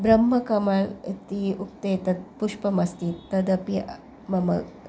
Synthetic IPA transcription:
bɾɐmːɐkɐmalt̪iuk̚t̪et̪ɐt̪̚puʂpɐmɐst̪iːt̪ːɐd̪ɐpi | mɐmɐ̰

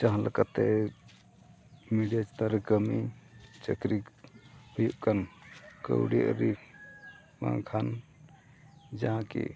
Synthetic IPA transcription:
t͡ʃaɦãlakat̪ɛ | miɖiat͡ʃt̪aɾkəmit͡ʃəkɾikhujuʔkankə̰wɽia̰ʔɾi | mã̰ŋkʰan | d͡ʒaãkɛ̰

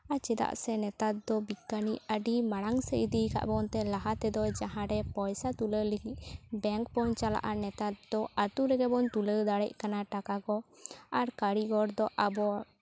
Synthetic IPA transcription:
at͡ʃɛd̪a̰ʔsɛnɛt̪at̪̚d̪ɔbikːaniəɖimaɽaŋsɛid̪ika̰ʔbɔnt̪ɛlaɦat̪ɛd̪ɔd͡ʒaɦãɾɛpɔjsat̪uləliɦit̚bɛŋkpɔɲt͡ʃala̰ʔanɛt̪at̪̚d̪ɔat̪uɾɛɡɛbɔnt̪uləwd̪aɽɛc̚kanaʈakaɡɔaɾkaɽiɡɔɽd̪ɔʔabɔ

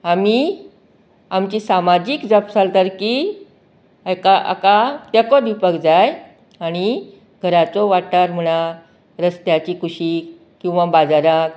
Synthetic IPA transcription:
ami | amt͡ɕiːsamad͡ʑiːkd͡zapsalt̪əɾki | akaa̰kat̪jakɔd̪ʱʋipəkd͡zaj | aɽ̃i | ɡʱəɾat͡sɔʋaʈaɾm̤əɽ̃a | ɾəst̪jat͡ɕiːkʰuɕiːk | kĩw̃ʋabad͡zaɾak̚

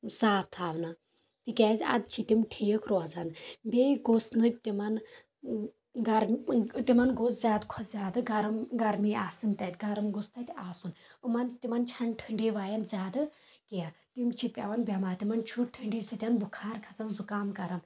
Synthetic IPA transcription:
saːp̚t̪ʰaːʋnɐ | t̪ikʲɛːzʲɐ̰d̪̚t͡ʃʰit̪imʈʰijəkʰɾozɐnbeːɡosnɨt̪imɐn | ɡɐɾt̪imɐnɡoszʲaːd̪kʰɔszʲaːd̪ɨɡɐɾɐmɡɐɾmiːaːsɨnt̪ɐt̪ʲɡɐɾɐmɡost̪ʰɐt̪ʲaːsunɨmɐnt̪imɐnt͡ʃʰɐɳʈʰɨɳɖiːʋaːjɐnzʲaːd̪ɨ | kijat̪imt͡ʃʰipʲɐ̰ʋɐnbʲɐmaːt̪imɐnt͡ʃʰuʈʰːɨɳɖiːsɨt̪ʲɐnbukʰaːɾkʰɐzɐnzukaːmkɐɾɐm

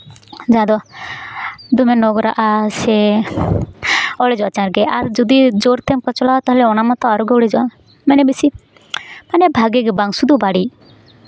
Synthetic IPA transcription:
d͡ʒad̪ɔ | d̪umɛnɔɡɔɾa̰ʔasɛ | ɔɭɛd͡ʒɔat͡ʃaɾɡɛaɾd͡ʒɔd̪id͡ʒoɾt̪ɛmkɔt͡ʃɔlaɦt̪aɦlɛɔnamɔt̪ɔaɾɔɡɛɔɽɛd͡ʒɔa | mɛnɛbisi | manɛbʱaɡɛɡɛbaŋsud̪ubaɽi

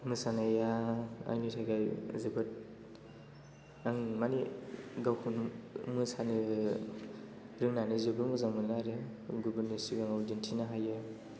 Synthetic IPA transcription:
mɯsanɯjaa̰jnitʰajɡajzɯbɯt̚ | aŋmaniɡawkʰunmɯsanɯ | ɾɯŋnanizɯbɯmɯzaŋmɯnaɾɯɡubɯnisiɡaŋawdintʰinaɦajɯ

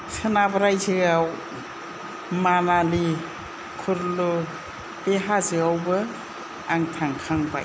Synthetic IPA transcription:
sɯnabaɾajzɯɡaw | manali | kʰuɾlo | b̥eɦazɯɡawbɯ | aŋtʰaŋkʰaŋba̰j

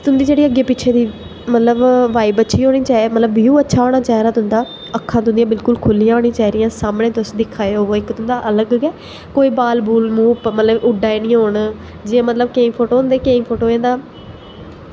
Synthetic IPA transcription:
t̪ʊnd̪iːd͡ʒeːɽiːəɡeːpɪːt͡ʃʰeːd̪iː | mət̪ləbʋaːibətːʃʰiːɦoːɽiːt͡ʃaːmət̪ləbiːũːətːʃʰaːoːɽ̃aːt͡ʃaːiɾaːt̪ʊɦʊ̃nd̪aː | əkʰːãːt̪ʊ̃nd̪jãːbɪlkʊlkʰʊlːijãːɦoːɽ̃ĩːt͡ʃaːiɾɪjãːsaːmɳeːt̪ʊsd̪ɪkʰːaːeoːoːɪkt̪ʊ̃nd̪aːʔələɡɡɛː | koːiːbaːlbuːlmuːpmət̪ləbʊɖaːenĩːɦoːɳ | d͡ʒɪːãːmət̪ləbkeːmpʰoːʈoːɦʊ̃nd̪eːkeːmpʰoːʈoːẽːd̪aː

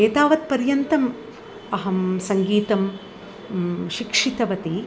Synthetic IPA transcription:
eːt̪aːʋɐt̪̚pɐɾjɐnt̪ɐm | ɐɦɐmsɐŋɡiːt̪ɐm | ʃikʂit̪ɐʋɐt̪i

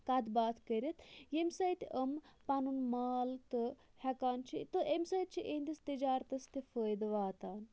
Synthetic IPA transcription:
kad̪baːt̪ʰkəɾʲit̪ʰjemsɐjt̪əmpanunmaːlt̪ɨ | hɛkaːnt͡ʃʰit̪ɨʔemsɐjt̪̚t͡ʃʰiʔenʲd̪ist̪id͡ʒaːɾt̪ɐst̪ʰifəːjd̪ʋaːt̪aːn

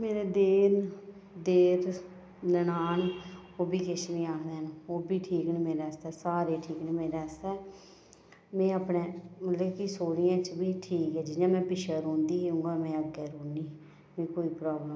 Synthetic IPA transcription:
meːɾeːd̪eːn | d̪eːɾ | nənaːn | oːbʱiːkɪʃnĩːaːkʰd̪eːnoːbʱiːʈʰiːknːmeːɾeːəst̪ɛːsaːɾeːʈʰiːknːmeːɾeːəst̪ɛː | mɛ̃ːəpneːmət̪ləbkisoːɾɪjãːt͡ʃbʱiːʈʰiːkɛːd͡ʒɪnãːmɛ̃ːpɪʃəɾõːnd̪iːɦũːɡaːmɛ̃ːəɡɛːɾoːniː | mɛ̃ːkoːiːpɾaːblə

